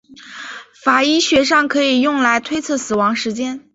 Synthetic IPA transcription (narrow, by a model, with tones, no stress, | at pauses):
fa˨˩i˥ɕɥɛ˧˥ʂ̬ɑ˥˩ŋkʰɤ˧˥i˨˩jʊ˥˩ŋla˧˥ɪt̪ʰwe˥ɪt͡sʰɤ˥˩sɹ̩˨˩wɑ˧˥ŋʂɻ̩˧˥t͡ɕjɛ˥n